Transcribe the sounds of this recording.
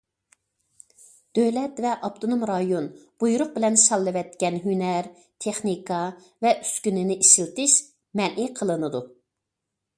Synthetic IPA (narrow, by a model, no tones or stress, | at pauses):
d̪̥øwlɛt̪vɛʔɑpt̪ʰonomɾɑjonb̥ujuɾʊq̚bɪlɛnʃɑlˠːɨvɛt̪kʲɛnɦynɛɾ | t̪ʰeχnikʰɑ | vɛʔy̥skʲynɪnɪʔiʃilt̪ɪʃ | mɛnʔiqʰəlˠɨnɨd̪u